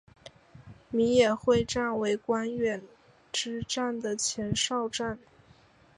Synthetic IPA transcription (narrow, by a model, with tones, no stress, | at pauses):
mi˧˥jɛ˨˩xwe˥˧ɪʈ͡ʂa˥˩nwe˧˥ɪkwa˥nɥɛ˨˩n | ʈ͡ʂɻ̩˥ʈ͡ʂa˥˩nd̪ə˩t͡ɕʰjɛ˧˥nʂɑ˥˧ʊʈ͡ʂa˥˩n